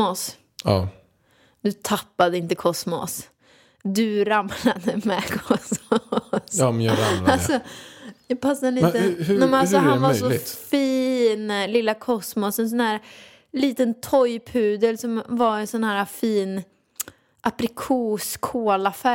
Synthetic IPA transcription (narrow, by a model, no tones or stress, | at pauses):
ɔs | ɑː | d̪ɵt̪ʰapːad̪əɪnt̪əkʰɔsmɔ̰s | d̪ɵɾamlad̪əmɛkʰɔsmɔsnɾaalsɔjɑpʰasːad̪əliəɦnɛmɛnasɔhanvasɔlɪt̪fiːnlɪlːakʰɔsmɔsɛns̬ɔnhæːɾ | liːt̪ənt̪ʰɔjpʰʉ̟ːd̪əlsɔmvaɾɛnsɔnhæːɾafiːn | ʔapɾɪkʰuːskʰoːlafæ